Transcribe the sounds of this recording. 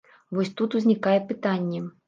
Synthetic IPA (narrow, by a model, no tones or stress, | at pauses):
vɔsʲt̪ut̪uzʲnʲikajɛpɨt̪anʲːɛ